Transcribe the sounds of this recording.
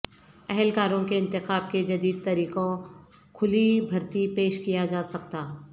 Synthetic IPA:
ɛɦɛlkaːɾõkeɪ̃nt̪ɪxaːb̚ked͡ʒɐd̪iːd̪̚t̪ɐɾiːqõ | kʰʊlibʱɐɾt̪ipeːʃkijad͡ʒaːsɐkt̪aː

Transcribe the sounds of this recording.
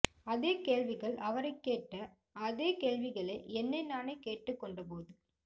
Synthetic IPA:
ɐðeːkeːɻʋɪɣɐɭʔɐʋɐɾɐɪkːeːʈːɐ | ɐðeːkeːɭʋɪɣɐɭɐɛnːɐɪnaːneːkeːʈːɯkːɔɳɖɐp̬oːðɯ

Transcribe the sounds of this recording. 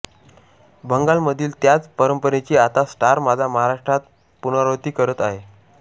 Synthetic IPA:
bəŋɡalməd̪ʱiːlt̪jat͡spəɾəmpəɾet͡ɕiːat̪asʈaɾmad͡zʱaməɦaɾaʂʈɾat̪̚ | punaɾot̪iːkəɾət̪aɦe

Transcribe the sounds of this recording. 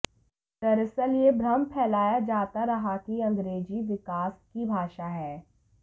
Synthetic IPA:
t̪ɐɾɪsəljebʱɾɐmpʰɛːlaːjad͡ʒaːt̪aɾɐɦakiɐ̃ŋɡɾeːd͡ʒiʋɪkaːskibʱaːʃaɦɛː

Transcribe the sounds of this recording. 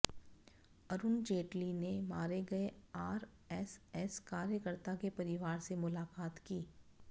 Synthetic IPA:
ɐɾʊnd͡ʒeːʈlinemaːɾeɡɐeaːɾ | ɛsɛskaːɾjəkəɾt̪akepɐɾɪʋaːɾsemʊlaːkaːt̪kiː

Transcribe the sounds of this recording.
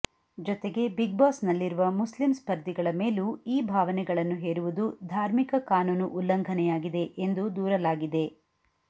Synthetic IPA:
d͡ʒɔt̪eɡe̞biɡ̚baːsnɐlːiɾuʋɐmuslimspɐɾd̪ʱiɡɐɭɐme̞ːluiːbʱaːʋɐnɛɡɐɭɐnːuɦeːɾuʋud̪ud̪ʱaːɾmikɐkaːnuːnuʔulːɐŋɡʱɐnɛjaːɡid̪e̞ʔend̪ud̪uːɾɐlaːɡid̪e̞

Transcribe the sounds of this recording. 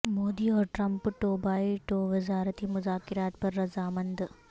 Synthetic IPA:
moːd̪iːɔːɾʈɾɐmpʈoːbaːiʈoːʋɪzaːɾɐt̪iːmʊzaːkɪɾaːt̪̚pɐɾːɐzaːmɐnd̪

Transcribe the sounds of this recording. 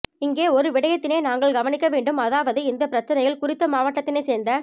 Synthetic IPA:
ɪŋɡeːɔɾɯʋɪɽɐjɐt̪ːɪneːnaːŋɡɐɭɡɐʋɐnɪkːɐʋeːɳɖɯmɐðaːʋɐðɯɪnd̪ɐpɪɾɐt͡ʃːɐnɐjɪlkʊrɪt̪ːɐmaːʋaːʈːɐt̪ːɪneːseːɾnd̪ɐ

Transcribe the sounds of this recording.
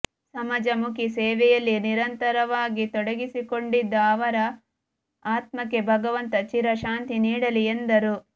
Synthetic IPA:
sɐmɐd͡ʒɐmukisɛːʋɛjɐlːiniɾɐnt̪ɐɾɐʋaːɡit̪ɔɽɐɡisikoɳɖid̪ːɐːʋɐɾɐ | aːt̪mɐkːe̞bʱɐɡɐʋɐnt̪ɐt͡ʃiɾɐʃaːnt̪iniːɽɐliend̪ɐɾu

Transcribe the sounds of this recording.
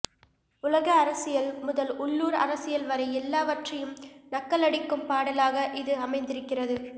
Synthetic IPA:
ʊlɐɣɐːɾɐsɪjɐlmʊðɐlʊɭːuːɾɐ̰ɾɐsɪjɐlʋɐɾɐɪɛlːaːʋɐʈrɐjɯmnɐkːɐlɐɽɪkːɯmpaːɽɐlaːɣɐʔɪðɯɐmɐɪnd̪ɪɾɯkːɪrɐðɯ

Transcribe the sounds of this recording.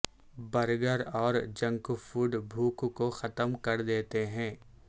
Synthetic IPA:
bɐɾɡəɾɔːɾd͡ʒɐ̃ŋkfuːɖbʱuːkkoxɐt̪əmkɐɾd̪eːt̪eɦɛ̃ː

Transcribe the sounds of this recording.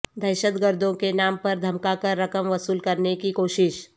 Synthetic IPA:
d̪ʱɐɾɪʃəd̪ɡəɾd̪ʱõkenaːmpɐɾd̪ʱɐmkakɐɾːɐkəmʋɐsuːlkɐɾnekikoːʃɪʃ

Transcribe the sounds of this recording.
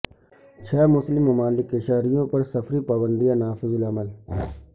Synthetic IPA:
t͡ʃʰɛːmʊslɪmːɐmaːlɪkɪʃaːɾijõːpɐɾsəfɾiːpaːbə̃nd̪ɪjãːnaːfɪzəlɐməl

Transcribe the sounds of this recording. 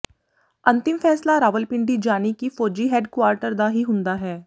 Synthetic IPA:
ɐ̃nt̪ɪmfɛːslaɾaːʋəlpɪ̃ɳɖid͡ʒaːnikifɔːd͡ʒiɦɛːɖkʋaːɾʈəɾd̪aɦiɦʊ̃nd̪aɦɛː

